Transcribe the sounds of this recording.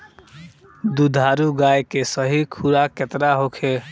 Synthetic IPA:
d̪ud̪ʱaɾuɡajkesəɦikʰuɾaket̪ɾaɦokʰe

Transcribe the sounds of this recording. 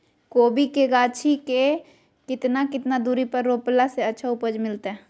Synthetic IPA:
koːbikeɡaːt͡ʃʰike | kɪt̪nakɪt̪nad̪uːɾipəɾːoplaseətːʃʰaʊpəd͡ʒmɪlt̪eɛ

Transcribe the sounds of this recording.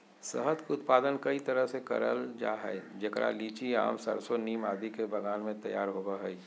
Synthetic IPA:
səɦət̪kʊt̪̚paːd̪ənkɐit̪ɐɾəɦsekɐ̰ɾə̰ld͡ʒa̰ːɦɛ̰ːd͡ʒekɾa̰liːt͡ʃia̰ːmsə̰ɾsoniːmaːd̪ikebʱɐɡaːnmẽt̪ɐjaːɾɦoːɡaɦɛi

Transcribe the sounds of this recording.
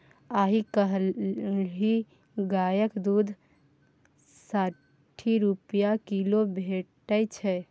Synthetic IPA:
aɦikəɦ | ɦi | ɡajəkd̪ud̪ʱ | sa | ʈʰiɾupjakilobʱeʈəjt͡ʃʰɛ

